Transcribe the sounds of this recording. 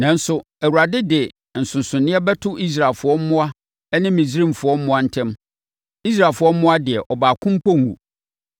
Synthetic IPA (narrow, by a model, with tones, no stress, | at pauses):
nã˨n̩˦sʊ˦ | æ˨wu˨ɾa˨dɪ˦dɪ˨ | n̩˨sʊ̃˨nsʊ̃˨nɪ̃˦ɛ˦bɛ˦tʰʊ˦ʔi˦s̬ɾa˨lfʊ˨ɔ˦m̩˦mʊ̃˦a˦ | ɛ˦nɪ̃˦mĩ˨si˦ɾĩ˦mfʊ˨˦ɔ˦m̩˦mʊ̃˦a˦n̩˦tʰɛ̃˦m | i˦s̬ɾaː˨lfʊ˨ɔ˦m̩˦mʊ̃˦a˦dɪ˨ɛ˨ʔɔ˨baː˨kʰʊ̃˦m˦pʰɔ˦ŋ˨ɡṵ̃˨